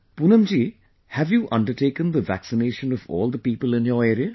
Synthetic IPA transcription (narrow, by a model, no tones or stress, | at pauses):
punə̃md͡ʒiː | hævjuːʔʌ̰̃ɳɖəʈeːkə̃nd̪əʋæ̰ksɪneːʃə̃nɔvɔ̰ːlˠd̪əpiːpəlɪ̃njəːeːɾiə